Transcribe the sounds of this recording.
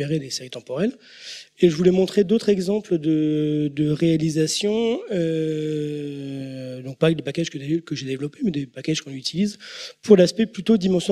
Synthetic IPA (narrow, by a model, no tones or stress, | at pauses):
eʁed̪eseʁit̪ɑ̃pɔʁɛl | eʒəvulɛmɔ̃t̪χed̪ot̪χɛɡzɑ̃pləd̪əd̪əʁealizasjɔ̃ø | d̪ɔ̃k̚pad̪epakʲaʒ̥kəkəʒed̪evlɔpemɛd̪epakʲaʒ̥kɔ̃yt̪ʰilizpʰuʁlaspɛplyt̪od̪imɑ̃sjɔ